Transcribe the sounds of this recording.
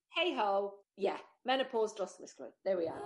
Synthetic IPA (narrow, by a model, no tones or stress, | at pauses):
heɪɦoʊjæmɛnəpʰɔːzdɹɒsəməskʰlə̰ʊðəwiə̰